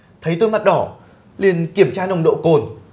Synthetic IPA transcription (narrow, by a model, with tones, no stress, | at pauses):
t̪ʰə˨˦jt̪ɨ˧ma˨˩t̚ɗɔ˧˩ | li˨˩ənki˧˩əmt͡ɕaː˧ɗə˨˩wŋ͡mɗo̰˧˨ko˨˩n